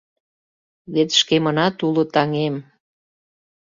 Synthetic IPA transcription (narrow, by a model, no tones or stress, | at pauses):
βet̪ʃkemə̆nɑt̪ulot̪ɑŋem